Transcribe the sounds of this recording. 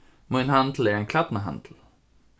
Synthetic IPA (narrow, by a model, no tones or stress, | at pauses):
mujnɦand̪l̩ɛɹɛnkʰlat̪naɦa̰nd̪̥l̩